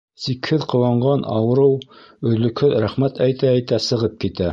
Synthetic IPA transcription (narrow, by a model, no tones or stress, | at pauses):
sikhɘðqŏw̪ɑɴɢɑnʔɑ̰wɤ̆ɾɤw | ɵ̆ðlɵ̆khɘðɾæχmæt̪æjt̪æːjt̪æsɤ̆ʁɤp̚kit̪æ